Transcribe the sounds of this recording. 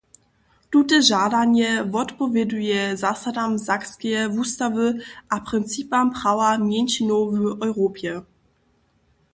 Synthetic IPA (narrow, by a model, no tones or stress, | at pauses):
tutɛʒadaɲɛvɔt̪pɔvʲjɛdujɛzasadamzakskɛjvustavɨʔapʁɨnt̪t͡sipampɾawamjɛnʃinɔwvəʔɔjʁopjɛ